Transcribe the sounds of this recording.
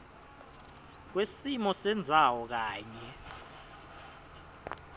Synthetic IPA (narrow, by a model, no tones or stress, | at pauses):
k̬wesimɔsɛnd͡zʱawɔk̬aːɲɛ